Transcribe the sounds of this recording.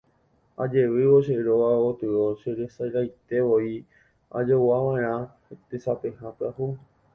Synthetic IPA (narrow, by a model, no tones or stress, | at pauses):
a̰d͡ʒe̞ʋɨʋoʃeɾoʋaot̪ɨoʃeɾesajɾajt̪e̞ʋoi | a̰d͡ʒowaʋãẽɾã | t̪esapehãpahu